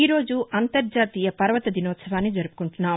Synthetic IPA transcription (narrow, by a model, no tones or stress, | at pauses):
iːɾo̞ːd͡ʒuʔɐnt̪ɐɾd͡ʒaːt̪iːjɐpɐɾɐʋɐt̪ɐd̪ʱinɔːt̪sɐʋaːnːid͡ʒɐɾupu̥kuɳʈunːaːm